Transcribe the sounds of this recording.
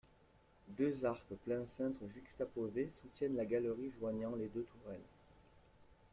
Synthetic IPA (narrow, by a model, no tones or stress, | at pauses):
d̪øzaʁkəplɛ̃sɛ̃t̪χəʒykst̪apozesut̪jɛnlaɡaləʁiʒwaɲɑ̃led̪øt̪ʰuʁɛl